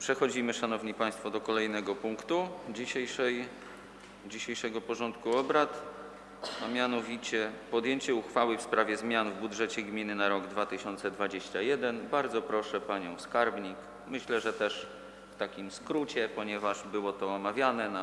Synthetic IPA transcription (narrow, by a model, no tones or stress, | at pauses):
pʂɛxɔd͡ʑimɘʂanɔvɲipaj̃st̪fɔd̪ɔkɔlɛjnɛɡɔpuŋkt̪ud͡ʑiɕɛjʂɛj | d͡ʑiɕejʂɛɡɔpɔʐɔnt̪kuɔbɾat̪ | amʲjanɔvʲit͡ɕɛpɔd̪jeɲt͡ɕɛuxfawɘfspɾavʲjɛzmʲjanvbudʐɛt͡ɕɛɡmʲinɘnaɾɔɡd̪vat̪ɘɕɔnt̪sɛd̪vad͡ʑeɕt͡ɕajɛd̪ɛnbaɾd̪zɔpɾɔʂɛpaɲɔ̃w̃skaɾbɲik | mɘɕlɛʐɛt̪ɛʂ | ft̪akʲimskɾut͡ɕɛpɔɲɛvaʐbɘwɔt̪ɔːmavʲjanɛna